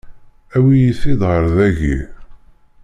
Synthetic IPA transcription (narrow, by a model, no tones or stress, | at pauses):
æwijiθiðˤʁəɾˤðæʝi